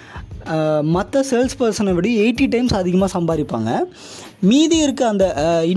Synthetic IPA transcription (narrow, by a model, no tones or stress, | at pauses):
mɐt̪ːɐseːlspɐɾsɐnɐʋɐɽieːʈːiʈːɐɪmsɐðʱɪɣɐmaːsɐmbaːðɪpːa̰ːŋɡɐ | miːðiɪɾɯkːɯɐnd̪ɐɪ